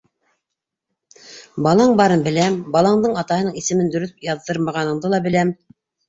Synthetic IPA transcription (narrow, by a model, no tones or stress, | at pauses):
bɑlˠɑɴbɑɾɤmbɘ̆læmbɑlˠɑɴd̪ɤɴɑt̪ɑhɤ̆nɤɴisɘ̆mɘnd̪ɵ̆ɾɵpjɑðːɤɾmɑʁɑnɤ̆ɴd̪ɤlˠɑbɘ̆læm